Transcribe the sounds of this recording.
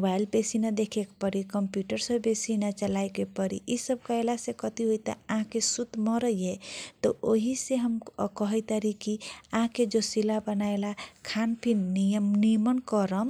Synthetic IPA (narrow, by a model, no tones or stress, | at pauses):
obailbesinad̪ekʰekpəɾikəmpjuʈəɾsəbesinat͡ʃəlajkepəɾḭʔisəb̚kaelasekət̪iɦojt̪ə̰aɦãkesut̪mɔɾəjet̪ɔʔoɦiseɦəmkɔɦəjt̪əɾikiãɦked͡ʒosilabənaelakʰanpʰinːijəmnimənkɔɾəm